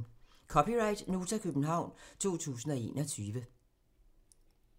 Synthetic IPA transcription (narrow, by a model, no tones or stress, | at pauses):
kʰɒpʰiʁɑ̈ɪd̥noːt͡sʰækʰøb̥n̩ɦɑ̈ʊ̰nt͡sʰo̝̰ːt͡sʰṵːsn̩ɒ̽e̝̰ːnɒt͡sʰyːʋə